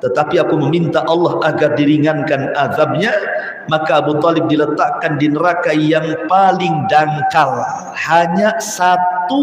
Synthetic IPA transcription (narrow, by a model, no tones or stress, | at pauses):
t̪ət̪apiakuməmint̪aʔɑlːɑhaɡardiɾiŋankanaðab̚ɲa | makaːbut̪ɔlɪb̚dilət̪aʔkandinəɾakajaŋpalɪŋdaŋkal | haɲasat̪u